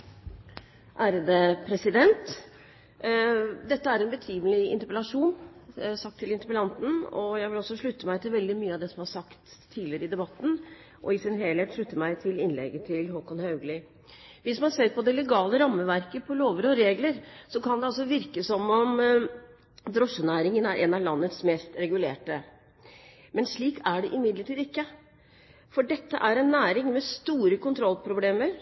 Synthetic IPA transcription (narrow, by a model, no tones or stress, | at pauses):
ʔæːɾəd̪əpʰɾɛsɪd̪ɛnt̪ | d̪ɛt̪ːəæɾɛnbət̪ʰiːməlɪɪnt̪əɾpəlɑʂuːnsɑk̚t̪ʰːɪlɪnt̪əɾpəlɑnt̪n̩ɔ̰jæɪʋɪlɔsːɔʂɭʉt̪ːəmæɪt̪ʰɪlʋɛld̪ɪmyːəɑʋd̪ɛsɔmhɑɾʂɑkt̪ʰːiːd̪lɪəɾəɪd̪ɛbɑt̪ːn̩ | ʔɔ̰ɪsɪnɦeːlheːt̪ʂɭʉt̪ːəmæɪt̪ʰɪlɪnlɛ̰ɡət̪ʰɪlɦɔkɔnhɑʉɡlɪ | ʋɪsmɑnseːɾpʰɔd̪ɛlɛɡɑːləɾɑmːəʋæɾkəpʰɔloːʋəɾɔɾeːɡləɾsɔkʰɑnd̪ɛɑls̬ɔʋɪɾkəsɔmɔm | d̪ɾɔʂːənæːɾɪŋənæɾʔɛnɑʋlɑnːət̪smeːst̪ɾɛɡʉleːʈə | mɛnʂɭiːkæɖɛʔɪmɪd̪ləʈʰiːd̪ɪkːə | fɔɖɛt̪ːəʔæɾɛnːæːɾɪŋmɛst̪uːɾəkʊnt̪ʰɾɔlpʰɾʊbleːməɾ